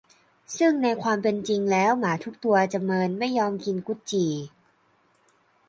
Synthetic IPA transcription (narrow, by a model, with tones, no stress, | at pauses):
sɯ˥˩ŋna˧jkʰwaː˧mpe˧nt͡ɕi˧ŋlɛː˦˥wmaː˩˦t̪ʰu˦˥k̚t̪u˧ɐt͡ɕa˨˩mɤː˧nma˥˩jːɔː˧mki˧nku˦˥t̪̚t͡ɕiː˨˩